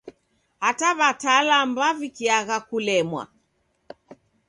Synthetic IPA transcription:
hataβatalambavikiaɣakulɛmwa̰

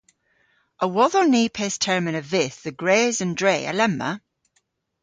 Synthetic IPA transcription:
ʔəwɔðəniːpʰestʰɛɹmɪ̃nəvɪθðəɡɹeːzə̃ndɹeːə̰lɛmːə̰

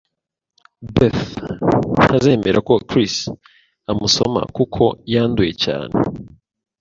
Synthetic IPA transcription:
beθ | n̥haze̞ːme̞ɾʔako̞kɾis | amuso̞̰ma̰kukʰo̞jaːnduje̞ca̰ːnḛ

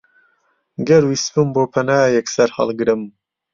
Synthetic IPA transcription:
ɡɐɾwisbɨmboːpʰɐnaːjɛksɐɾhɑ̰lˠɡɨɾɨm

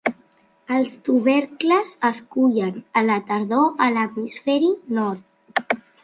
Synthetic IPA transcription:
əlˠst̪uβɛɾkləzəskuʎənələt̪əɾðoʔələt̪misfɛɾinɔɾt̪̚

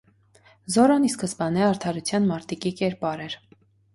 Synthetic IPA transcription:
zɔɾɑniskəspɑnɛɑɾt̪ʰɑɾut͡sʰjɑnmɑɾt̪ikikɛɾpɑɾɛɾ

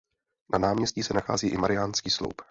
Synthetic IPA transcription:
nanaːmɲɛscisɛnaxaːziːʔɪmaɾɪaːnskiːslo̰wp

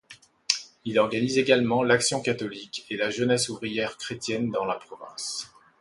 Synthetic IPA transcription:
ilɔʁɡanizeɡalmɑ̃laksjɔ̃kat̪ɔlikelaʒənɛsuvʁijɛʁkχet̪jɛnd̪ɑ̃lapχɔvɛ̃s

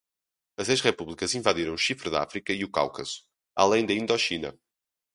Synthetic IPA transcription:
ɐzejʃʁɛpuβlˠikɐzĩvaðiɾɐ̃w̃uʃifɾɨða̰fɾikɐiuka̰wkɐsu̥ | a̰lˠẽj̃d̪ɐĩnd̪ɔʃinɐ̰

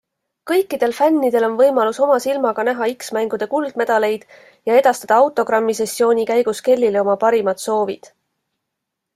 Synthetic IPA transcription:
kɤjkːˑid̪̥e̞lfænːid̪̥e̞lo̞nvɤjmɑluso̞mɑsilmɑɡ̥ɑnæɦɑiksmæŋɡ̥ud̪̥e̞kuld̪̥̚me̞d̪̥ɑle̞jd̪̥ | jɑe̞d̪̥ɑst̪ɑd̪ɑɑwt̪ˑo̞ɡrɑmːise̞sːio̞ːnʲikæjɡ̥uske̞lʲːileo̞mɑpɑɾimɑd̪̥so̞ːvid̪̥

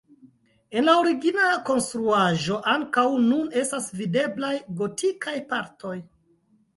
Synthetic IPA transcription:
e̞nlaoɾiɡinako̞nstɾuaʒo̞ʔaŋkawnune̞stasvide̞blajɡo̞tikʰajpaɾtʰo̞j

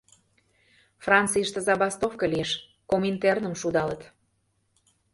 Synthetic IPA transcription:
frɑnt͡sijʃt̪əzɑbɑst̪ofkəlieʃ | komint̪ernəmʃud̪ɑlət̪

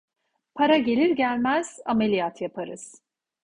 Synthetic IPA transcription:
pʰaɾaɟe̞lʲiɾɟælʲmæz̥ame̞lʲijat̪ʰjapʰaɾɯz̥

